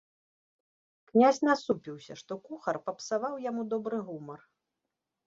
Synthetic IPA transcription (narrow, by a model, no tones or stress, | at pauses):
knʲazʲnasupʲiwsʲɐʂt̪ɔkuxɐrpɐpsavawjamud̪ɔbɾɨɣumɐr